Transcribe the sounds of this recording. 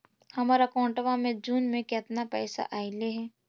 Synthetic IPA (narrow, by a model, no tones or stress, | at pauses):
hɐmaːɾakɔ̃ːɳʈəʋamẽd͡ʒuːnmẽkɛt̪napɛːsa̰ʔaːɪleɦɛː